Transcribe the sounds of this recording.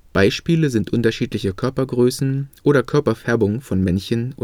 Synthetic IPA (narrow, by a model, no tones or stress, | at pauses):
b̥aɪʃpiːləzɪntʔʊntɐʃiːtlɪçəkʰœɐpɐɡʁøːsn̩ʔoːɾɐkʰœɐpɐfɛɐbʊŋfɔnmɛnçən